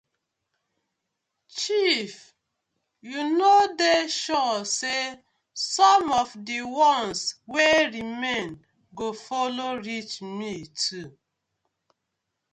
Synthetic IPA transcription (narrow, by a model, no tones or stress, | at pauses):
t͡ʃif | junodeʃɔse | sɔmɔvdiwɔ̃nsweɹimẽn | ɡofɔloɹit͡ʃmitʰu